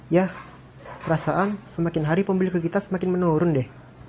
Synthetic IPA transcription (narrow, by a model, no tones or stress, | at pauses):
jah | əɾasaʔansəmakɪnɦaɾipəmbilikəkit̪asəmakɪnmənoɾʊndɛh